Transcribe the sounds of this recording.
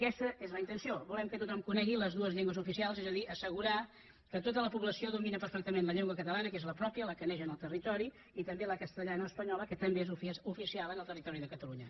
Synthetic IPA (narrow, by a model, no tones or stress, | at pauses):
əkɛst̪əezləint̪ənsiobulɛmkət̪ut̪ɔmkunɛɣiləzðuəzʎeŋɡwəzufisialˠzezəðiʔəsəɣ̞uɾa | kət̪ot̪ələpuβləsioðuminəpəɾfɛk̚t̪əmenləʎeŋɡwəkət̪əlanəkezləpɾɔpjələkəneʒənəlˠt̪ərit̪ɔɾi | it̪əmbeləkəst̪əʎanəːspəɲɔləkət̪əmbeezufufisialˠənəlˠt̪ərit̪ɔɾiðəkət̪əluɲə